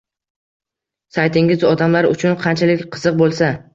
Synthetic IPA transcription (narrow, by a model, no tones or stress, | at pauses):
sajt̪ɪŋɪzɒd̪amlaɾʊ̰t͡ʃʰʊnqʰɑnt͡ʃʰalɪkʲqʰɨzɨq̚bolˠsa